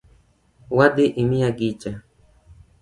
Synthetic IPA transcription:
wad̪iʔimiaɡit͡ʃa

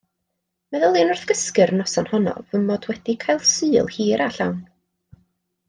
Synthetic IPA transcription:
mɛðəlˠeːnʊrθɡ̥əskɨɾnɔsanhɔnɔ̰vəmɔdwɛdikʰajlˠsɨːlˠhiːɾaɬawn

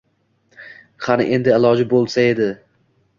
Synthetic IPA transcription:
χanɪ̰ʔe̞nd̪ɪɪlˠɒd͡ʒɪbolˠsae̞d̪ɪ

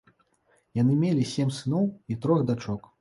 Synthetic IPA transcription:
janɨmʲelʲisʲemʲsɨnɔwit̪ɾɔɣd̪at͡ʂɔk

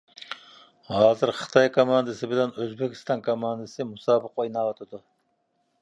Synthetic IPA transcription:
hɑːzɪɾχʰɨ̥t̪ʰɑjkʰomɑnd̪ɨsɪbɪlɛnøzbekʲʰi̥st̪ɑŋkʰomɑnd̪ɨsɪmusɑːbɨqojnɑʁɑt̪ʰɨd̪ʊ

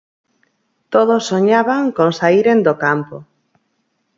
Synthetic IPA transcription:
t̪oðosːoɲaβaŋkoŋsaiɾend̪okampo̰

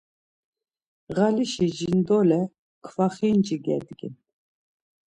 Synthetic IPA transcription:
ʁaliʃid͡ʒind̪ɔlɛ | kʰvaχind͡ʒiɡɛ̰d̪ɡḭn

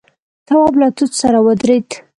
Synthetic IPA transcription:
t̪awɑblat̪ut̪saɾawəd̪ɾed̪

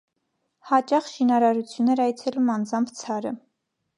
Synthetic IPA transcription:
hɑt͡ʃɑχʃinɑɾɑɾut͡sʰjunːɛɾɑjt͡sʰɛlumɑnd͡zɑmpʰt͡sʰɑɾə̰

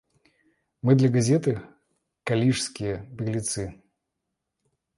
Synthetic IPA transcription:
mɨd̪lʲɐɡɐzʲeɛt̪ɨ | kalʲiʂskʲɪjəbʲɪɾʲlʲɪt̪sɨ

